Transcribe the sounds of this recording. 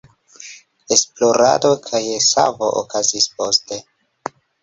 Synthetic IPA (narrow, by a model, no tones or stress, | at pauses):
esplo̞ɾa̰do̞kʰajesa̰vo̞ʔo̰kʰazispo̞ste̞